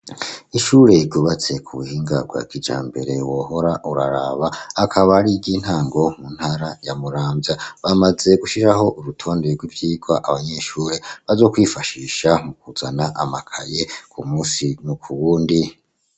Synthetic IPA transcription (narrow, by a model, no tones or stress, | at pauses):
iʃuɾe̞iɡuβat͡se̞kʰuβuhiːŋɡa̰bɡwa̰kid͡ʒa̰ːmbe̞ɾe̞woɦo̞ɾaʔuɾa̰ɾa̰βaːkʰaβaɾiɡiːn̥haːŋɡo̞muːn̥haːɾajamuɾaːmjaβamaze̞ɡuʃiɾaɦoʔuɾutʰo̞ːndeɡwivjiːɡwaʔaβaɲe̞ʃuːɾe̞βazo̞ːkwiːfaʃiːʃamukuzanaʔamakʰa̰je̞kumuːsinukʰuβuːndi